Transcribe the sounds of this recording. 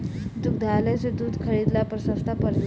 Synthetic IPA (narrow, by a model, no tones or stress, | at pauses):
d̪uk̚d̪ʱalat͡sed̪uːd̪ʱkʰəɾid̪lapɾəsə̃st̪ʰapəɾle